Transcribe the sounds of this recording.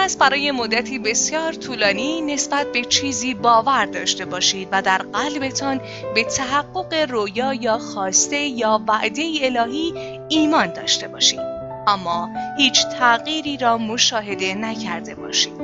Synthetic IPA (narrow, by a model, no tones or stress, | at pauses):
pæsbæɾɒːje̞mod̪ːæt̪ʰiːbe̞sjɒːɾt̪ʰuːlɒːnine̞sbæt̪̚be̞t͡ʃʰiːziːbɒːvæɾd̪ɒːʃt̪e̞bɒːʃiːd̪væd̪æɾɢælbe̞t̪ʰɒːn | be̞t̪ʰæɦæɢːo̞ɢe̞rojɒːjɒːxɒːst̪e̞jɒːvæʔd̪e̞ie̞lɒːɦiː | iːmɒːnd̪ɒːʃt̪e̞bɒːʃḭːd̪̥ | ʔæmːɒːhiːt͡ʃʰt̪ʰæɣiːɾiːɾɒːmo̞ʃɒːɦe̞d̪e̞næcʰæɾd̪e̞bɒ̰ːʃiːd̪̥